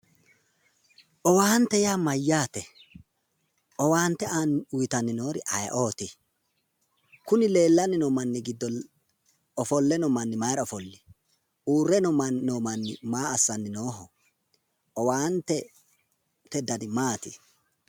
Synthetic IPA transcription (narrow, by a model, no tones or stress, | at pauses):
ʔɔwaːnt̪ɛjaːmɐjːaːt̪ɛ | ʔɔwaːnt̪ːɛanʊjt̪ɐnːɪno̞ːɾɪ̰ʔɐj̰ʔoːt̪ɪ | kʊnɪle̞ːlːɐnːɪnɔmɐnːɪɡɪd̪ːɔ | ɔfɔlːɛnɔmɐnːɪmɐjɾɔfɔlːɪ | uːrːɛnɔmːɔmɐnːɪmaːsːɐnːɪnoːɦɔ | ɔwaːnt̪ɛ | t̪ɛd̪ɐd̪ɪmaːt̪ɪ̰